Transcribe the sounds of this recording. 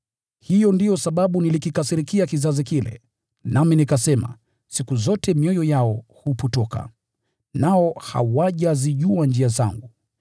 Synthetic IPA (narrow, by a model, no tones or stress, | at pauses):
hijɔndijɔsaɓaɓunilikikasiɾikiakizazikilɛ̰ | naminikasɛma̰ | sikuzɔtʰɛmjɔjɔjaɔhuputɔka̰ | naɔha̰waʄaziʄuand͡ʒiaza̰ŋɡu